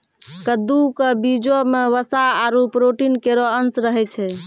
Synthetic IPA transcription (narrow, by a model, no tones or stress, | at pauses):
kəd̪ukəbid͡ʒomeʋəsaaɾupɾoʈinkeɾoənsɾəɦɛt͡ʃʰɛ